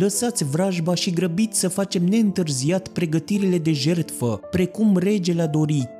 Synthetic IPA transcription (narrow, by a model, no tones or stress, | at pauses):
ləsat̪sʲvɾaʒbaʃiɡɾəbit̪sʲsəfat͡ʃe̞mne̞ɨnt̪ɨrziat̪pɾe̞ɡət̪iɾile̞d̪e̞ʒe̞rt̪fəpɾe̞kumre̞d͡ʒe̞lad̪o̞ɾi